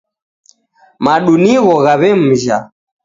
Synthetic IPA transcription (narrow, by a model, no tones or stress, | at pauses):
maɗuniɣɔɣaβɛm̩ʒa